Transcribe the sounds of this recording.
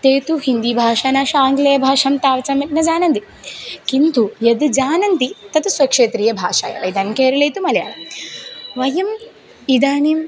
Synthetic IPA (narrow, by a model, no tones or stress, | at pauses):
t̪eːt̪uhind̪ibʱaːʂaːnaːʂɐaːŋɡlɐjɐbʱaːʂɐmt̪aːʋɐt͡sɐmit̪nɐd͡ʒaːnɐnd̪i | kint̪ujɐd̪d͡ʒaːnɐnt̪it̪ɐt̪usʋɐkʂeːt̪ɾiːjɐbʱa̰ːʂa̰ːjɐ̰ʋɐ̰jd̪ɐnimkeːɾɐlɐjt̪umɐlja̰ː | ʋɐjɐm | id̪aːnim